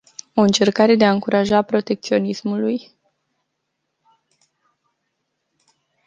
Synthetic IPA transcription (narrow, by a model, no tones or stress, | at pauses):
o̞ɨnt͡ʃe̞rkaɾe̞d̪e̞aɨŋkuɾʔaʒapɾo̞t̪e̞k̚t̪sio̞nismuluj